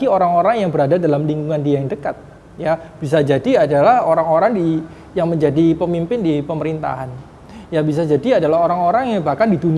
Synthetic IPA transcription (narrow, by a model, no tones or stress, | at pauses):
ioɾaŋoɾaŋjaŋbəɾadadalamliŋɡuŋandiajaŋdəkat̪̚ | jab̥is̬ad͡ʒadiadalahoɾaŋoɾaŋdi | jaŋməɲd͡ʒadipəmimpɪndipəməɾint̪a̰ɦan | jabis̬ad͡ʒadiadalahɦoɾaŋoɾaŋjaŋbahkandit̪un